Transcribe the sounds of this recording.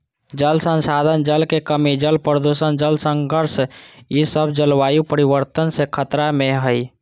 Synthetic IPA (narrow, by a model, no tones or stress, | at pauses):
d͡ʒəlsənsad̪ʱənd͡ʒəlkekəmid͡ʒəlpɾəd̪usənd͡ʒəlsə̃ŋɡʱəɾsisəbʱd͡ʒəlʋajupəɾiʋəɾt̪ənsekʰət̪ɾameɦəj